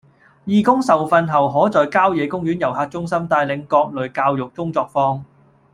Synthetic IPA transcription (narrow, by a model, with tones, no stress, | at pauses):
jiː˨˩kʊ˥ŋsɐ˨wfɐ˧nɦɐ˨wɦɔː˨˥t͡sɔː˨jkaː˥wjɛː˨˧kʊ˥ŋjyː˨˥njɐ˨˩whaː˧t̚t͡ʃʊ˥ŋsɐ˥mt̪aː˧jlɪ˨˧˥ŋkɔː˧k̚lɵ˨ɥkaː˧wjʊ˨k̚kʊ˥ŋt͡sɔː˧k̚fɔː˥ŋ